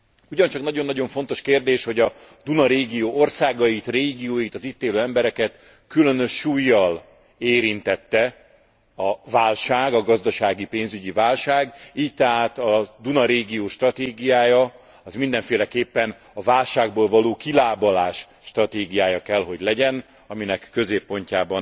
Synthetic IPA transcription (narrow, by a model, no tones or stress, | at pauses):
uɟɒnt͡ʃɒknɒɟo̞nːɒɟo̞ɱfo̞n̪t̪o̞ʃkeːrd̪eːʃho̞ɟɒd̪unɒɾeːɡijoːʔo̞rsaːɡɒjit̪reːɡijoːjit̪ɒzit̪ːeːløːɛmbɛɾɛkɛt̪ | kylø̞nø̞ʃːuːjːɒl | eːɾint̪ɛt̪ːɛ | ɒvaːlʃaːɡɒɡɒzd̪ɒʃaːɡipeːnzyɟivaːlʃaːɡiːc̚t̪ɛɦaːt̪ɒd̪unɒɾeːɡijoːʃt̪rɒt̪eːɡijaːjɒ | ɒzmind̪ɛɱfeːlɛkeːpːɛn | ɒvaːlʃaːɡ̚boːlvɒloːkilaːbɒlaːʃː | t̪rɒt̪eːɡijaːjɒkɛlɦo̞ɟlɛɟɛn | ɒminɛkːøzeːpːo̞ɲcaːbɒn